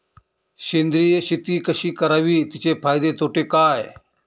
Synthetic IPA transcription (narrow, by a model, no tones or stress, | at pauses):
ɕend̪ɾijeɕit̪iːkəɕiːkəɾaʋiːt̪it͡ɕepʰaːjd̪et̪ʰoʈekaj